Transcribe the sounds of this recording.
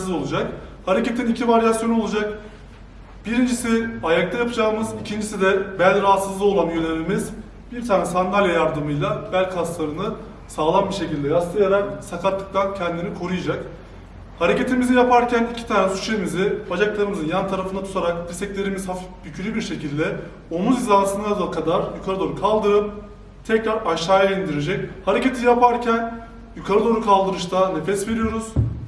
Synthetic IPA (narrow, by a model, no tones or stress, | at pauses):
o̞lˠud͡ʒakhaɾece̞t̪ʰinicʰivaɾjasjo̞nuo̞lˠud͡ʒak̚ | b̥iɾind͡ʒisiajak̚t̪ʰajapʰɯd͡ʒaːmɯzicʰind͡ʒisid̪ɛbælʲɾaɦat̪sɯzlˠɯo̞lˠamjønʲemimiz | b̥iɾt̪ʰaːnɛsand̪alʲjajaɾd̪ɯmɯjlˠabælʲkʰlˠaslˠaɾɯnɯ | saːlˠanbiʃe̞cilʲd̪ɛjaslˠɯjaɾaksakʰat̪ːɯ̥k̚t̪ʰancʰɛnd̪inikʰo̞ɾujad͡ʒak | haɾe̞ce̞t̪ʰimizijapaɾcʰænicʰi̥t̪ʰaːnɛsu̥t͡ʃeimizibad͡ʒaklˠaɾɯmɯzɯnjant̪ʰaɾafɯnat̪ʰu̥t̪ʰaɾakb̪iɾsɛclʲe̞ɾimiz̥hafifbycʰyɾʲybiɾʃe̞cilʲd̪ɛ | o̞muzizansɯnad̪akʰad̪aɾjukʰaɾɯd̪o̞ɾukʰalˠd̪ɯɾɯp̚ | t̪ʰɛcɾaɾaʃaːjaind̪iɾe̞d͡ʒɛchaɾe̞ce̞t̪ʰijapʰaɾcʰæn | jukʰaɾɯd̪o̞ɾukʰalˠd̪ɯɾɯʃt̪ʰane̞fɛsve̞ɾijo̞ɾuz̥